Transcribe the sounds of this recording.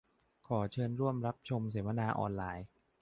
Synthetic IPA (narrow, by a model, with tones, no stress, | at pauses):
kʰɔː˩˦t͡ɕʰɤː˧nɾu˥˩əmɾa˦˥p̚t͡ɕʰo˧ms̬eː˩˦ma˧naː˧ʔɔ̰ː˧nlaː˧j